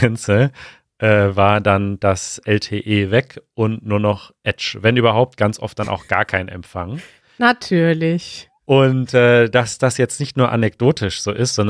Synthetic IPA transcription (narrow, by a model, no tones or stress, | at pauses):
ɛnsə | ʔɛːvaːɐdand̥asʔɛltʰeːʔeːvɛkʔʊntnuːɐnɔχʔɛt͡ʃvɛnʔyːbɐɦaʊp̚t̚ɡ̥ant͡sʔɔ̰ft̚d̥anʔa̰ʊxɡ̥a̰ːɐkʰaɪnʔɛ̰mfaŋ | natʰyːɐlɪç | ʔʊntʔɛːd̥asd̥asjɛt͡stnɪçtnuːɐʔanɛkd̥oːtʰɪʃz̥oːʔɪstz̥ɔn